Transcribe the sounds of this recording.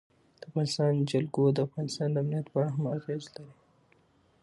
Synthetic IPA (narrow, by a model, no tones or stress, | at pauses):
d̪əafɣɑnɪst̪ɑnd͡ʒalɡod̪əafɣɑnɪst̪ɑnd̪əamnijat̪pɑɽaɦamaɣezlaɾi